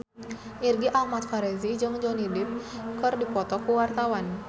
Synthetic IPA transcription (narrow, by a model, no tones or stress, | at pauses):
ʔirɡiʔahmat̪̚faɾɛzid͡ʒɨŋd͡ʒɔnidɪp̚kɨrdipɔt̪ɔkuwart̪awan